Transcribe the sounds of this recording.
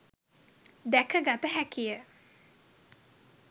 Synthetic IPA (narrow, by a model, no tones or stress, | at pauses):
d̪ækəɡat̪əɦækijə